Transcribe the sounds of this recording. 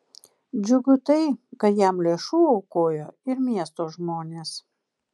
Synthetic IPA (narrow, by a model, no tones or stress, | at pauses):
d͡ʒʲʊɡʊt̪ɐɪkɐt̪jæmlʲeːʃuːɐʊkoːjoːɪɾmʲiɛst̪oːʒmoːnʲeːs